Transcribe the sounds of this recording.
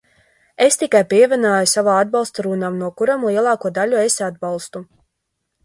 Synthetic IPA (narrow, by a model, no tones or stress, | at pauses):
est̪ikajpiɛvʲɛnaːjusavaːad̪̚balˠst̪aɾuːnaːmnuɔkuɾamlˠiɛlˠɑːkuɔd̪aʎuesad̪̚balˠst̪u